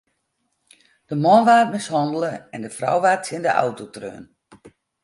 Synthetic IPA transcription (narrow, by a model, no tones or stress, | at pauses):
d̥əmɔnʋaːt̚mɪshɔndəlˠəɛndəfra̰wʋaːtjɪndəʔa̰wtotrø̰ːn